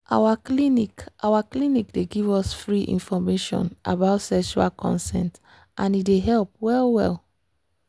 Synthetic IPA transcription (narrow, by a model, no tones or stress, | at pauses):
ʔa̰waklinikʔawaklinik̚deɡivɔsfɹiʔḭ̃nfɔmeʃɔ̰̃nʔa̰baʊtsɛkʃua̰lkʰɔ̰̃nsɛ̰̃nt | ʔãnideɦɛlp̚wɛlwɛ̰lˠ